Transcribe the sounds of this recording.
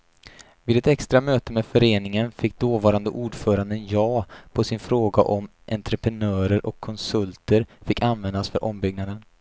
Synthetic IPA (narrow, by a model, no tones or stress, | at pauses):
vɪːd̪ɛt̪ɛkst̪ɾamøːt̪əmefœɾeːnɪŋənfɪkːd̪oːvɑːɾand̪əʔuːɖfœːɾand̪ənjɑːpʰɔsɪnfɾoːɡa̰ʔɔmʔɛnt̪ɾəpɾɛnœːɾəɾʔɔkʰːɔnsɵlt̪ʰəɾfɪkːanvɛnd̪asfœɾʔɔmbʏɡ̚nad̪ən